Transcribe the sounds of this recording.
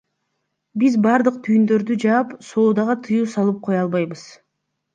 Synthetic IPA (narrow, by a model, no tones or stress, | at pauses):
bizbɑɾd̪ɯq̚t̪ʰyjnd̪ø̞ɾd̪yd͡ʒɑːpso̞ːd̪ɑʁɑt̪ʰɯjuːsɑlˠɯp̚qʰo̞jɑlˠβɑjbɯz̥